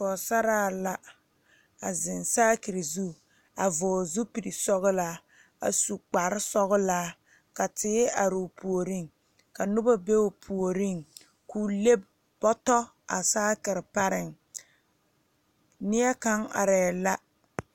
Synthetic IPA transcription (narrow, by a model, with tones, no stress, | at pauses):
fɔː˨sa˦ɾaː˦˨la˦ | a˨zɪ˨nsaː˦ki˨ɾi˨zu˦ | a˨vʊ˨zu˦pi˨ɾi˨sɔ˦ɣʊ˦la˦ | a̰˨su˨k͡pa˨ɾɪ˦sɔ˦ɣʊ˦laː˦ | ka˨tɪː˦a˨ɾɪ˨pʰu˨o˨ɾi˦ŋ | ka˨nʊ˦ba˦be˦o˨pʰu˨o˨ɾi˦ŋ | ku˨le˦b | bɔ˦tɔ˦ | a̰˨saː˦kɪ˨ɾɪ˨pa˦ɾɪ˨ŋ | nɪ˦ɛ˦ka˦ŋa̰˨ɾɛː˨la˦